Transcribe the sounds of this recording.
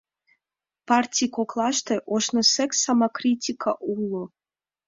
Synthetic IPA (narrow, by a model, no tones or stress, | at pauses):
pʰartʲʰikʰʷokʰlˠaʃt̪ʰeʔoʃnɐsɛksamakʰritʲʰikʰaʔulo